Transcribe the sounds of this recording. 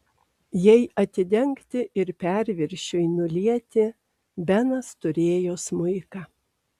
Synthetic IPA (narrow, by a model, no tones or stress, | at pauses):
jɛɪʔɐt̪ʲɪd̪ʲɛŋkt̪ʲɪʔɪɾpʲæɾʲʋʲɪɾʲʃʲojnʊlʲiɛt̪ʲɪ | bʲɛnɐst̪ʊɾʲeːjoːsmʊɪkɑː